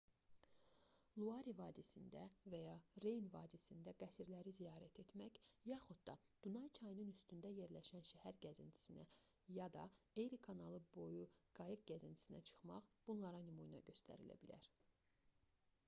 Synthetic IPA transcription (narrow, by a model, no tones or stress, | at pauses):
lˠuɑɾivɑːd̪isind̪ævæjɑɾe̞jnvɑːd̪isind̪æɡæsiɾlæɾizijɑːɾæt̪ʰe̞t̪mæçjɑχud̪̚d̪ɑd̪̥unɑjt͡ʃʰɑjnɯnyst̪ynd̪æje̞ɾlæʃænʃæhæɾɟæzint̪ʰi̥sinæ | jɑd̪ɑejɾikʰɑnɑlˠɯbo̞juɡ̥ɑjɯk̚ɟæzint̪ʰi̥sinæ̰t͡ʃʰɯ̥χmɑχb̥unlˠɑɾɑnimujnɑ̰ɟø̞st̪ʰæ̰ɾḭlæ̰bilæ̰ɾ